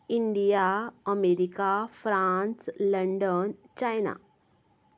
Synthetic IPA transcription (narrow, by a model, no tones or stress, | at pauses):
iɳɖijaəmeɾikafɾansləɳɖənt͡ɕajna̰